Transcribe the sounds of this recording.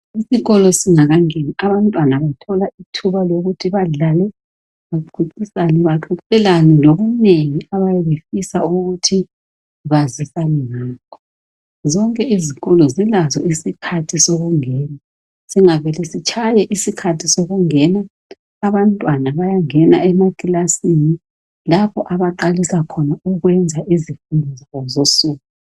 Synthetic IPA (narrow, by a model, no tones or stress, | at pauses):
isiɣɔlɔsiŋaɣaŋeniaβantʼwanaβatʰɔlaitʰuβaloɣutʰiβaɮalɛ | βaǃʰuǀisaniβaǃuǀɛlaninoɣuneŋiaβajɛβefisauɣutʰi | βazisaniŋiːkʰɔ | zɔŋkʼɛʔiziɣɔlɔzilazɔisikʰatʰisoɣuŋɛːna | siŋaβɛlɛsit͡ʃʰajɛʔisikʰatʰisoɣuŋɛnaː | βantʼwanaβajaŋɛnaɛmakʼilasini | lapʰɔʔaβaǃalisakʰɔnauɣwɛnd͡zʱaʔizifundʱɔzaɣɔzosuːku